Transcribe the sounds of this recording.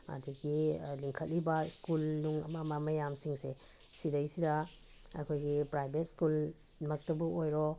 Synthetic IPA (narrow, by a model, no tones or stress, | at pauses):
a̰diɡiliŋkʰɐt̚libaskulnuŋɐmamamɐjamsiŋse | sidajsida | a̰kʰojɡipɾajbet̚skul | mak̚tɐbuojɾɔ